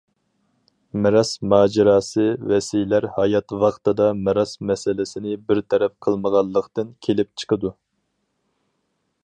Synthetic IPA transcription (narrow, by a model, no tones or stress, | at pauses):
mɪɾɑsmɑːd͡ʒɪɾɑːsɨvɛsijlæɾhɑjɑt̪wɑχt̪ɨd̪ɑmɪɾɑsmɛsɪlɪsɪnɪbɪɾt̪ʰɛɾɛp̚qʰəlˠməʁɑlˠːəqt̪ɨnkʲʰelɪp̚t͡ʃʰə̥qʰəd̪u